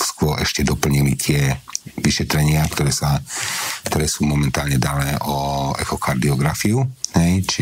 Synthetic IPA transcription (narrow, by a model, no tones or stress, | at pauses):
skʊɔɾʔɛʃcɛd̪ɔpl̩ɲilit̪ɪɛʋiʃɛt̪ɾɛɲɪakt̪ɔɾɛːsa | kt̪ɔɾɛːsuːmɔmɛnt̪aːlɲɛd̪anɛːʔɔɛ̰xɔkaɾd̪iɔɡɾafiuɦɛjt͡ʃi